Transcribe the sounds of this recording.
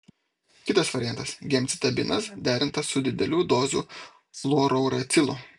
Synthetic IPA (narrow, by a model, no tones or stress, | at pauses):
kʲɪt̪ɐsʋɐɾʲɪjæˑnt̪ɐsɡʲɛmʲt̪sʲɪt̪ɐbʲɪnɐsd̪ʲæːɾʲɪnt̪ɐsːʊd̪ʲɪd̪ʲɛlʲuːd̪oːzṵː | lˠuɔɾɔʊɾɐt̪sʲɪlˠʊ̰